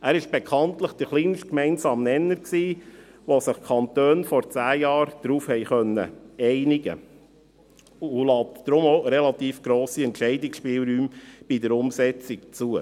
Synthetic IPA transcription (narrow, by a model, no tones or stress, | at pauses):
æːɾɪʃb̥ɛkʰɑntləχd̪̥əɾχliːnʃkmɛɪnsɑːmnɛnəɾksiː | ʋosɪχkʰɑnt̪øːnfɔɾt͡sæːjɑːɾd̥ɾuːfhɛɪχœnːə̰ɛɪnɪɡə̰ | ʊlɑːtdɾʊmoɾɛlɑt̪iːfɡ̥ɾoːsiɛntt͡ʃɛɪdɪksʃpɪːlˠɾyːmb̥idəɾʊmsɛt͡sɪkt͡suə